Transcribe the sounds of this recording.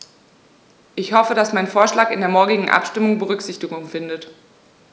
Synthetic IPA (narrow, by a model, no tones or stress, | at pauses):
ʔɪçhɔfədasmaɪnfoːɐʃlaːkɪndeːɐmɔɐɡɪɡŋ̩ʔa̰pʃtɪmʊŋbəʁʏkz̥ɪçtɪɡʊŋfɪndət